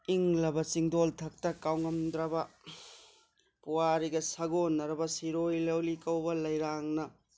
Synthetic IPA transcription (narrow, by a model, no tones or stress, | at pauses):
iŋlɐbɐt͡ʃiŋdoltʰɐk̚tɐkawŋɐmd̪ɾɐbɐ | puwaɾiɡɐsɐɡonːɐɾɐbɐsiɾojlɐwlikɐwbɐlɐjɾaŋnɐ